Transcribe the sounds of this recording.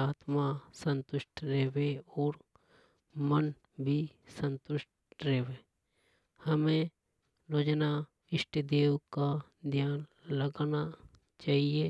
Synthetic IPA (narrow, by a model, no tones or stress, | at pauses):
aːt̪masə̃nt̪ʊʃʈʰɾeweɔːɾ | mən | bʱisə̃nt̪ʊʃʈ̚ | ɾeɦweː | hɐmẽ | ɾoːd͡ʒna | ɪʃʈd̪eːwka | d̪ʱjaːn | ləɡna | t͡ʃaːɦie